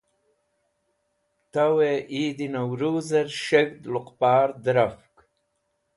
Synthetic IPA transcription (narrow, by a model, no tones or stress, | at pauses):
t̪aweʔiːd̪inawɾuːzɐɾʃeɡd̪lʊqpaːɾd̪ɾafk